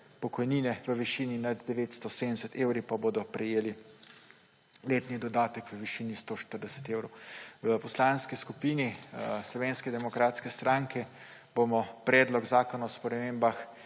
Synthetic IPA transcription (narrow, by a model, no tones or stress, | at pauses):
pɔkɔjniːnɛʋəʋiʃiːninad̪d̪ɛʋeːt̪st̪ɔseːnɛsət̪eːwɾipaboːd̪ɔpɾɛjeːli | leːt̪nid̪ɔd̪aːt̪əkʋəʋiʃiːnist̪oːʃt̪əɾd̪ɛsə̥t̪eːwɾowʋəpɔslaːnskiskupiːnislɔʋeːnskɛd̪ɛmɔkɾaːt̪skɛst̪ɾaːŋkɛ | bomɔpɾɛːd̪lɔɡzaːkɔnaspɾɛmeːmbax